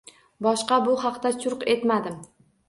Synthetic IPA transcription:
bɒʃqɑbʊɦɑqt̪at͡ʃʰʊɾqe̞t̪mad̪ɪm

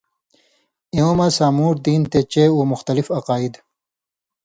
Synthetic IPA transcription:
ĩoːmasaːmuːɾd̪iːnt̪et͡ɕeːuːmuxt̪ɐlifɐqaːid̪

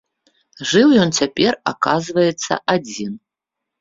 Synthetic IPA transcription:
ʐɨwjɔnt͡sʲapʲɛra̰kazvɐjɛt̪sːɐ̰ʔad͡zʲin

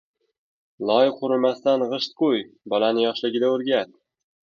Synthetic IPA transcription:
lˠɒjqʰʊɾʊ̆mast̪anʁɤʃt̪̚qujbɒlanɪjɒʃlˠɪɡʲɪd̪æɵɾɡʲæt̪

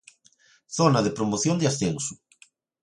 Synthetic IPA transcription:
θonaðɪpɾomoθjond̪easθensu̥

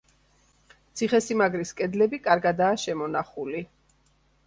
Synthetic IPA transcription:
t̪sʰiχɛsimaɡɾiskʼɛd̪lɛbikʼaɾɡad̪aːʃɛmɔnaχuli

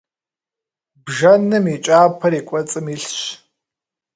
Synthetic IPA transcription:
bʒɐnɨmit͡ʃʼaːpʰɐɾikʷʼɐt͡sʼɨmiɬɕ

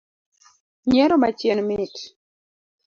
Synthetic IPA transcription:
ɲɛɾomat͡ʃjɛnmit

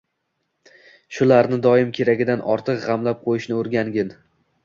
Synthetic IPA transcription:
ʃʊlaɾnɪd̪ɒɪmkʲʰe̞ɾaɡʲɪd̪anʔɒ̰ɾt̪ʰɨqʁɑmlap̚qʰojɪʃnɪoɾɡʲaŋɡʲɪn

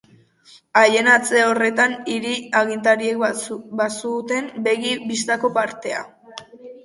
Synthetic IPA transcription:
aje̞nat͡se̞o̞re̞t̪aniɾiaɣint̪̬aɾiekbasut̪e̞mbe̞ɣibist̪ako̞paɾt̪e̞a̰

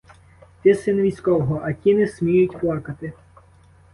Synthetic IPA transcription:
t̪ʲɪsɪnʋʲijsʲkɔwɦɔʔɐkʲinɛsʲmʲijʊtʲplˠɑkɐt̪ɪ

